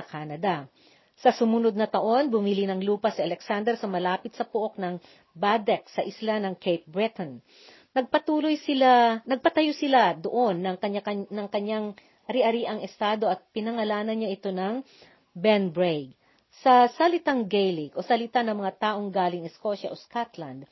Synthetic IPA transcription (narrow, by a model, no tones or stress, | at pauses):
ɐkaːnɐd̪ɐ | sɐsʊmunod̪̚nɐt̪ɐʔo̞nbʊmilinɐŋluːpɐsiʔɐlɛksand̪ɛɾsɐmɐlaːpɪt̪̚sɐpʊʔo̞k̚nɐŋ | bad̪ɛk̚sɐʔɪslanɐŋkʰɛjp̚bɹɪt̪on | nɐɡ̚pɐt̪uːlojsɪlanɐɡ̚pɐt̪ɐjosɪlad̪oʔo̞nːɐŋkɐɲanɐŋkɐɲaŋ | ʔɐɾɪʔɐɾiʔɐŋɛst̪aːd̪o̞ʔɐt̪̚pɪnɐŋɐlaːnɐnɲaʔɪt̪o̞nɐŋ | bɛnbɹejɡ | sɐsɐlɪt̪aŋɡejliɡʔo̞sɐlɪt̪anɐŋmɐŋat̪aːʔo̞ŋɡaːlɪŋɛsko̞ʃɐ̰ʔoskat̪lɐ̰nd̪̚